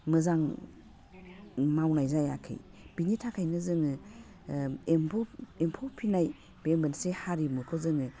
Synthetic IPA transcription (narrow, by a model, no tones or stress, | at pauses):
mɯzaŋ | mawnajzajakʰɯ̰jb̥iɲitʰakʰajnɯzɯŋɯ | emʰɔempʰopʰinaj | bembɯnsehaɾimukʰɔzɯŋɯ